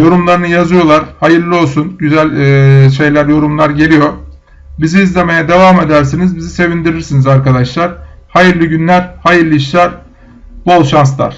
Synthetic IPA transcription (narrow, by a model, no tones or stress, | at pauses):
jo̞ɾumlˠaɾɯnɯjazɯjo̞lˠaɾ̥hajɯɾlʲio̞lˠsunɟyzælʲːʃ̬e̞jlʲæɾjo̞ɾumlˠaɾɟe̞lʲijo̞ | biziːzlʲe̞me̞jɛd̪e̞vaːme̞d̪æɾsinizbizise̞vind̪iɾiɾsinizaɾkad̪aʃlˠaɾhajɯɾlʲiɟynlʲæɾhajɯɾlʲiiʃlʲaɾ | bolˠʃans̬lˠa̰ɾ̥